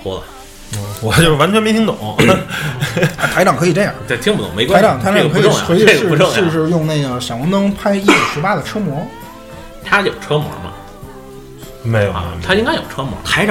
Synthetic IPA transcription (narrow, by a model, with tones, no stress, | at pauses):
wɔ̰˥lə˨˩˥ | wɔ˨˩t͡ɕjʊʂɻ̩˥˩a˧˥nt͡ɕʰɛ˥nmɛ˥˩ɕʰi˥ŋt̪ʊ̰˨˩˦ŋ | a˧˩t̪ʰa˧˥ɪʈ͡ʂɑ˨˩ŋkʰɤ˧˥i˨˩ʈ͡ʂə˥˩jɑ̰˥˨˩a˥˩t̪ʰi˥ŋpu˧˥t̪ʊ̰˨˥˩ŋme˧˥ɪka˥ɑ˨˩ŋt̪ʰa˧˥ɪʈ͡ʂɑ˧˨˩ŋkʰɤ˧˥˨ʊ˥˩ŋɐ̰˨swʂɻ̩˥˩˧ʈ͡ʂʊ˥˩ŋʂ̩˥˩ʂɔ˥˧jʊ˥˧ŋne˥˩ɪɡə˩ɕjɑ˨˩ŋwɑ˧˥ŋnɤ˥ŋpʰa˥ɪi˥˩jo˨˩ʂɻ̩˧˥pa˥d̪ə˨ʈ͡ʂʰɤ˥mwɔ˧˥ | t̪ʰa˥jo˨˩ʊʈ͡ʂʰɤ˥mwɔ̰˧˥mɐ̰˨˩ | me˧˥ɪjo˨˩˧t̪ʰa˥i˥ŋka˥ɪjo˨˩ʊʈ͡ʂʰɤ˥mwɔ̰˧˥t̪ʰa˧˥ɪʈ͡ʂɑ˨˩